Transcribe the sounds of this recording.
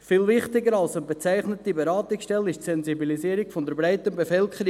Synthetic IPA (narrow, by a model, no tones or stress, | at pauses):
fɪːlvɪχtɪɡəɾɑlsənbet͡sæɪχnətibɛɾɑːtɪksʃtɛlɪʃtsɛnzibiliziːɾiɡfɔnd̪əɾbɾaɪtənbefœlkχəɾi